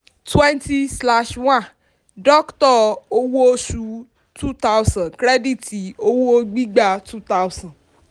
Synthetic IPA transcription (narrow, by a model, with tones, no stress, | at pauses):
twɛ̃˦nti˦sla˦ʃwã˦˨ | dɔ˦ktɔ˦˨o˧wo˦o˦ʃu˧˦ | tu˦ta˦wsã˨kɾɛ˦di˦˨ti˨o˦wo˦o˧ɡ͡bi˦ɡ͡ba˦tu˦ta˦wsã˨d